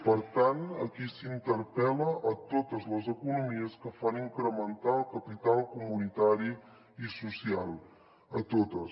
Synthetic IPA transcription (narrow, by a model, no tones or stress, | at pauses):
pəɾt̪anəkisint̪əɾpɛləʔət̪ot̪əzləzəkunumiəskəfaniŋkɾəmənt̪alˠkəpit̪alˠkumunit̪aɾi | isusialˠ | ət̪ot̪əs